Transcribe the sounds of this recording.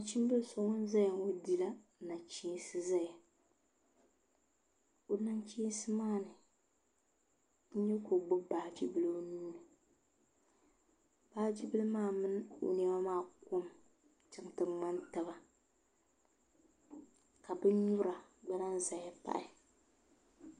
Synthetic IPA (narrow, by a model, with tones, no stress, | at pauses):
a˨t͡ʃi˦m˦bɨ˦lso˨ŋɔ˦n˦za˦ja˨ŋo˦di˨la˦na˨t͡ʃi˦sɨ˦za˦ja˨ | o˨na˦nt͡ʃi˦sɨ˦maː˦˨nɨ˨ | n̩˦ɲɛ˦ko˨ɡ͡bʊ˦baː˨d͡ʒi˦bɨ˦lɨ˦o˦nu˦nɨ˨ | b̥aː˦d͡ʒi˦bɨ˦lɨ˦maː˦˨mɨ˦n˦o̰˨nɛ˦ma˦maː˦˨ko˦m | t͡ʃɪ˦ŋtɨ˨ŋ͡ma˦nta˨ba˦ | ka˨bɨ˦ɲu˦ɾa˨ɡ͡bɛ˦ɾa˦nza˨ja˦pa̰˦ʔɪ˨